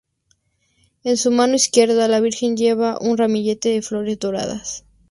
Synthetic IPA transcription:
ensumãno̞iskje̞ɾðalaβ̞iɾxe̞nd͡ʒe̞βaʔunramiʝe̞t̪e̞ðeflo̞ɾe̞zd̪o̞ɾa̰ða̰s

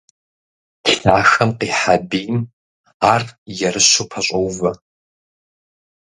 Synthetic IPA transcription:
tɬaːxɐmqiːħabiːm | aːrjɛrɨɕupʰɐɕʷʼɐwvɐ

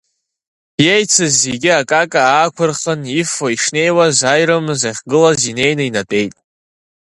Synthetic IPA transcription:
jejt͡sʰɨzːeɡʲɪakʼakʼaaːkʷʰʊrχənifoiʂne̞jwazajɾɨmɨzaχʲɡɨlazine̞jnɨinatʼe̞jtʼ

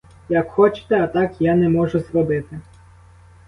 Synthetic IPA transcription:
jɐkxɔt͡ʃɪ̥t̪ɛɐt̪ɑkjanɛmɔʒʊzrɔbɪt̪ɪ

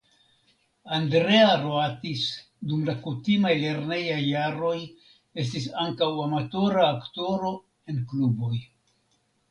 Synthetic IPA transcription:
andɾe̞aɾoatis | dumlakutimajle̞ɾne̞jajːaɾo̞j | e̞s̬tis̬aŋkawamato̞ɾaːkto̞ɾo̞ | e̞nklubo̞j

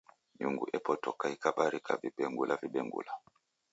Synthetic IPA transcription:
ɲuŋɡuʔɛpɔtɔkaikaɓaɾika̰viɓɛŋɡulʔaviɓɛŋɡṵla

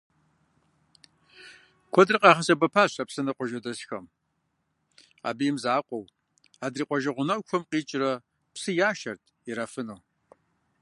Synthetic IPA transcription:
kʷʰɔdrɨqʼɑːχɐsɐbɐpʰaːɕɐpsɨnɐqʷɔʒɐdɐsxɐm | a̰ːbijɪmzaːqʷɔw | aːdriːqʷʼɔʒɐʁʷʊnɐwkʷʰɔmqiːt͡ʃʼɪrɐ | psɨjaːʃɐrtʼʰiɾafɨnuː

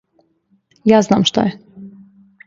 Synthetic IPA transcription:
jaːzna̰ːmʃt̪o̰jɛ

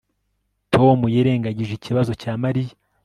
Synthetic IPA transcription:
tʰo̞mujeɾe̞ːŋɡaɟiʒiciβazo̞caːmaɾija

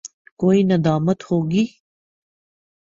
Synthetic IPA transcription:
koːinɐd̪aːmət̪hoːɡiː

